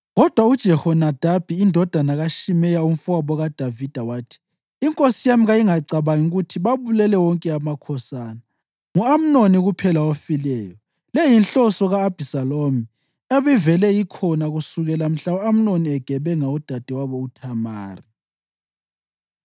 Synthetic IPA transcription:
ɣɔd̥ʱwaud̥ʒ̥ʱɛhɔnad̥ʱab̥ʱiːndʱɔd̥ʱanaɣaʃimɛjaum̩fuaβɔɣad̥ʱavid̥ʱawaːtʰi̥ː | ŋkʼosijamiɣajiŋaǀaβaŋiuɣutʰiβaβulɛlɛwɔŋkʼɛamakʰɔsaːna | ŋuam̩noniɣupʰɛlawofilɛːjɔ | lejinɬɔsɔɣaːb̥ʱisalomi | eβivɛlɛjikʰɔnaɣusuɣɛlam̩ɬaam̩noniɛɡ̥ʱɛβɛŋaud̥ʱad̥ʱiwaβɔutʰama̰ːri

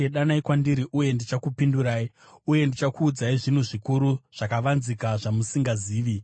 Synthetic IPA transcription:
eɗanaikwandiɾiʔuje̞ndit͡ʃakupinduɾaːi | uje̞ndit͡ʃakuːd͡zaiʐinuʐikuɾuʐ̥akaʋanzikaʐamusiŋɡaziːʋi

